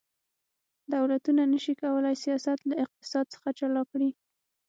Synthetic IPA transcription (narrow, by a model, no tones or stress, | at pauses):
d̪awlat̪unanəʃikawəlajsijɑsat̪laɪq̚t̪ɪ̥sɑd̪̚t͡sə̥xat͡ʃalɑkɽi